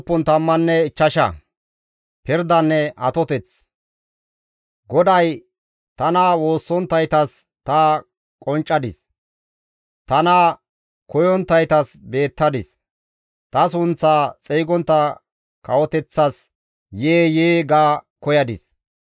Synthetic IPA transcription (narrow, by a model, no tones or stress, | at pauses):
pːɔnt̪ɐmːɐnːɛɪt͡ʃːɐʃɐ̰ | pɪɾd̪ɐnːɛʔɐt̪ɔt̪ɛt͡s | ɡɔd̪ɐj | t̪ɐnawo̞ːsːɔnt̪ːɐjt̪ɐs | t̪ɐ | kʼɔnt͡ʃʼːɐd̪ɪs | t̪ɐna | kɔjɔnt̪ːɐjt̪ɐsbe̞ːt̪ːɐd̪ɪs | t̪ɐsʊnt͡sːaːt͡sʼɛjɡɔnt̪ːɐ | kʰɐwɔt̪ɛt͡sːɐs | jeːjeːɡaːkɔjɐd̪ɪ̰s